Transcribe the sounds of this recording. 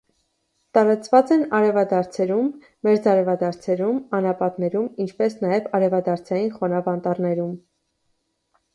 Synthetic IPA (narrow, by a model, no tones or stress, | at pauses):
t̪ɑɾɑt͡svɑt͡sɛnɑɾɛvɑd̪ɑɾt͡sʰɛɾumː | ɛɾd͡zɑɾɛvɑd̪ɑɾt͡sʰɛɾumɑnɑpɑt̪nɛɾumint͡ʃʰpɛsnɑjɛvɑɾɛvɑd̪ɑɾt͡sʰɑjinχɔnɑvɑnt̪ɑrnɛɾum